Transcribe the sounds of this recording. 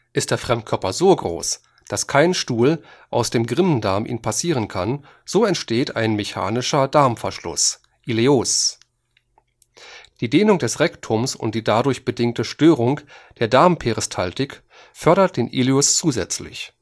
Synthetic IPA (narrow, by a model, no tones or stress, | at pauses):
ʔɪst̚d̥eːɐfʁ̥ɛmt̚kʰœɐpɐzoːɡʁo̰ːs | d̥askʰaɪnʃtuːlʔaʊsd̥eːmɡʁɪməndaɐmʔḭːnpʰasiːʁ̞ənkʰan | z̥oːɛntʃteːta̰ɪnmeça̰ːnɪʃɐdaɐmfɛɐʃlʊ̰s | ʔilios | d̥iːdeːnʊŋd̥ɛsʁɛktʰʊmsʊ̰nt̚d̥iːdadʊɐçb̥ədɪŋk̚təʃtøːʁʊŋd̥eːɐdaɐmpʰeʁɪstʰaltɪk | fœɐɾɐt̚d̥eːnʔiljʊst͡suːzɛt͡slɪ̰ç